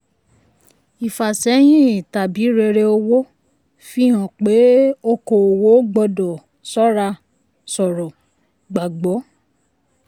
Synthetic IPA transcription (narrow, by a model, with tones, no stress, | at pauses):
i˨fa˨sɛ˨˦j̃ĩ˦˨ta˨bi˨˦ɾe˧ɾe˧o˧wo˦ | fi˦ɦã˨k͡pe˨˦o˦ko˨o˨wo˨˦ɡ͡bɔ˧dɔ˨ | sɔ˦ɾa˧ | sɔ˨ɾɔ˨ | ɡ͡ba˨ɡ͡bɔ˨˦